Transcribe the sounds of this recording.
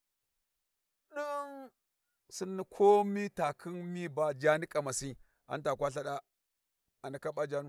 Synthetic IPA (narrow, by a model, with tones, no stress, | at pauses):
ɗə˦n | si˦nːi˦kʰo˦mi˦ta˨kʰi˦nmi˦ba˦d͡ʒa˦ni˦kʼa˨ma˨si˦ | a̰˨n˦ta˨kwa˦ɬa˦ɗa˦ | a˨na˨ka˦ɓa˦d͡ʒa˦n˦